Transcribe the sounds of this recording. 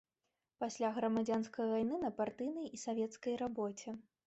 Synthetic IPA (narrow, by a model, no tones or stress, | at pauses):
pasʲlʲaɣɾɐmad͡zʲanskɐjvajnɨnɐpart̪ɨjnɐjisavʲɛt̪skɐjɾabɔt͡sʲɛ